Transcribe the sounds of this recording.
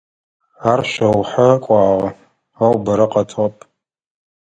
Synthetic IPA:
arʃʷɐwħakʷʼɑːʁɐ | ɐwbɐɾɐqʼɐtʰʁɐpʼ

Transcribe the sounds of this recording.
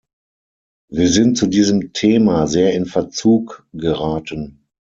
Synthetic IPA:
viːɐzɪnt̚t͡sudiːzəmtʰeːmazeːɐɪnfɛɐt͡suːkɡ̥əʁaːtən

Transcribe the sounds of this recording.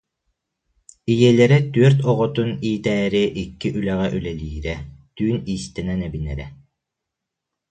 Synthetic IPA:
ijɛːlɛɾɛt̪yœɾt̪ɔʁɔt̪uniːt̪ɛːɾiʔikːiʔylɛʁɛʔylɛliːɾɛt̪yːniːst̪ɛnɛnɛbinɛ̰ɾɛ

